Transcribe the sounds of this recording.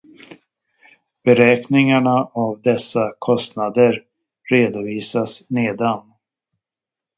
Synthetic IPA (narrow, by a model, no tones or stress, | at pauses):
b̥ɛɾɛːknɪŋaɳaʔavd̪ɛsːakʰɔst̪nad̪əɾ | ɾeːd̪ʊviːsasneːd̪an